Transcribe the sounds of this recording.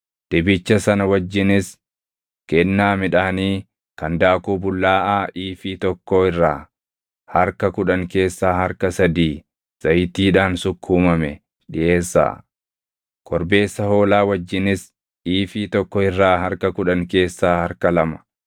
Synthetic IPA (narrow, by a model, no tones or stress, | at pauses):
d̪̥ɛbɪt͡ʃːɐsɐnɐwɐd͡ʒːɪnɪs | kɛnːaːmɪᶑaːniː | kɐnd̪aːkuːbʊlːaːʔaːʔiːfiːt̪ɔkːoːɪrːa̰ː | hɐɾkɐkʊᶑɐŋke̞ːsːaːhɐɾkɐsɐd̪iː | z̥ɐjt̪iːᶑaːnsʊkʰːuːmɐmɛ̰ | ᶑɪʔe̞ːsːa̰ː | kʰɔɾbe̞ːsːɐho̞ːlaːwɐd͡ʒːɪnɪs | iːfiːt̪ɔkːɔɪrːaːɦɐɾkɐkʊᶑɐŋke̞ːsːaːhɐɾkɐlɐmɐ̥